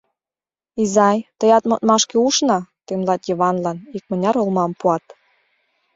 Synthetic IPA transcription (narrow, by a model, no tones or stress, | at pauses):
izɑjt̪əjɑt̪mŏt̪̚mɑʃkeuʃnɑt̪emlɑt̪jɤβɑnlɑnik̚mə̆nʲɑɾolmɑmpuɑt̪